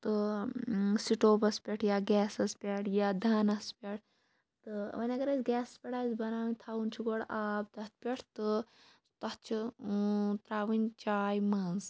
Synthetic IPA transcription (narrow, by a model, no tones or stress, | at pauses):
t̪ɨ | siʈoːbɐspʲɐʈʰjaːɡɛːsɐspʲɐʈʰjaːd̪ʱɐːnɐspʲɐʈʰ | t̪ɨʋɐnʲɐɡɐɾɐzɡɛːsɐspʲɐʈʰaːzbɐnaːʋinʲt̪ʰaːwunt͡ʃʰiɡoɽaːb̚t̪ɐt̪̚ʰpʲeʈʰt̪ɨ | t̪ɐt͡ʃʰu | t̪ɾaːʋinʲt͡ʃaːjmɐnz